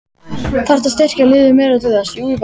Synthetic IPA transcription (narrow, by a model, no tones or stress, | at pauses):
θar̥t̪ast̪ɛr̥calɪːðʏmɛːɾat̪ʏðasiujv